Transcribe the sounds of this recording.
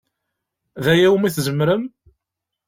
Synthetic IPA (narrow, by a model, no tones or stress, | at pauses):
ðæjæwmiθzəmːɾəm